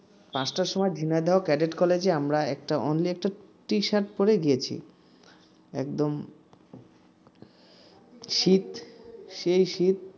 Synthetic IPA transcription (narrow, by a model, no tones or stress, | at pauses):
pãsʈaɾʃɔmɔed̪ʱinaed̪eɦokɛɖeʈkɔled͡ʑeamɾaɛkʈaʔɔ̰nliɛk̚ʈaʈiʃaɾʈpoɾeɡijet͡ɕʰḭ | ɛ̰kd̪om | ʃit̪ʃejʃit̪̚